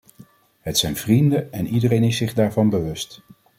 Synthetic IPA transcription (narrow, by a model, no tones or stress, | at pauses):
ɦətsɛjnvrindəɛnidərejnɪsɪχdaːɹvɑnbəʋɵst